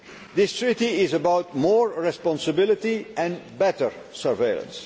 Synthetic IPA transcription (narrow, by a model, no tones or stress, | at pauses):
d̪ɪstʰɹitiɪzəbaʊt̚mɔːɹɹɛspɑ̃nsəbɪlɪtiɛ̃nbɛtə˞ | sə˞veɪlˠə̰̃ns